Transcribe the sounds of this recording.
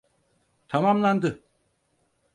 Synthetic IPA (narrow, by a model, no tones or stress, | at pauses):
t̪ʰamamland̪ɯ